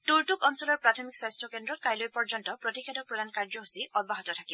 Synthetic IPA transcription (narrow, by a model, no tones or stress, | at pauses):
tuɹtukɔnsɔlɔɹpɹatʰɔmikswastʰɔkendɹɔt̚kajlojpɔɹd͡ʒɔntɔpɹɔtixʰedɔk̚pɹɔdankaɹd͡ʒɔɦusiʔɔdbaɦɔtɔtʰakib